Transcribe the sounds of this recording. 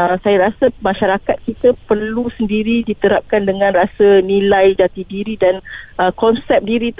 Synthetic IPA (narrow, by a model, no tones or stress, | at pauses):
əsajaɾasəmaʃaɾakat̪̚kit̪əpərlusəndiɾidit̪əɾap̚kandəŋãnrasənĩlajd͡ʒat̪idiɾidanʔəkɔnsɛp̚diɾit̪